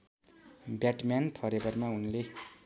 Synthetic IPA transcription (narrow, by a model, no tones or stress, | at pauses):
bjaʈmanp̪ʰʌɾebʌrmaunle